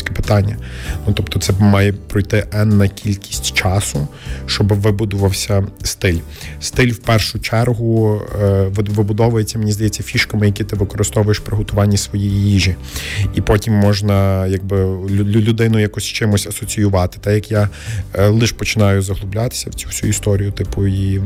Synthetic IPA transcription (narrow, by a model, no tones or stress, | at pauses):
kɛpɪ̥t̪ɑnʲːɐnut̪ɔpt̪ɔt̪sɛmɑjɛpɾɔjt̪ɪʔɛnːɐkʲʰilʲkʲi̥sʲtʲt͡ʃɑsʊʃt͡ʃɔbɪʋɪbud̪ʊʋɐwsʲɐst̪ɪlʲ | st̪ɪlʲwpɛrʃʊt͡ʃɛrɦʊ | ʋʋɪbʊd̪ɔʋʊjet͡sʲːɐmenʲizd̪ɐjɛt͡sʲːɐfʲiʃkɐmɪjɐkʲit̪ɪʋɪkɔɾɪst̪ɔʋʊjeʃpɾɪɦɔt̪ʊʋɑnʲːɐsʋɔjijijiʒi | ipɔtʲimːɔʒnɐjɐɡ̚bɪlʲʊd̪ɪnʊjakɔsʲt͡ʃɪmʊsʲɐsɔt͡sʲijʊʋɑt̪ɪ̥t̪ɛjɐkja | lˠɪʃpɔt͡ʃɪnɑjʊzɐɦlˠʊblʲɑt̪ɪ̥sʲɐwt͡sʲu̥t͡sʲuist̪ɔɾʲijʊt̪ɪpʊi